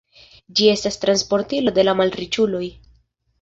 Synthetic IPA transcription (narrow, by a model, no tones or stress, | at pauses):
d͡ʒie̞stastɾanspo̞ɾtilo̞de̞lamalɾit͡ʃulo̞j